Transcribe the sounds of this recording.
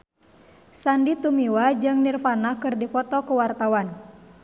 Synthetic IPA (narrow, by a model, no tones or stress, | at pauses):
sandit̪umiwad͡ʒɨŋnirfanakɨrdipɔt̪ɔkəwart̪awan